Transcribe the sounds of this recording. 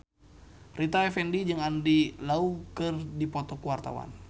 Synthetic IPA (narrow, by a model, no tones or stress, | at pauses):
rit̪aɛfɛndid͡ʒɨŋandilaukɨrdipɔt̪ɔkuwart̪a̰wa̰n